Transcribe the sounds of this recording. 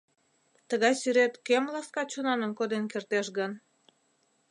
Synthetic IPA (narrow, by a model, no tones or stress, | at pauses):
t̪əɣɑjsyɾet̪kemlɑskɑt͡ɕonɑnə̆mkod̪enkert̪eʃɣən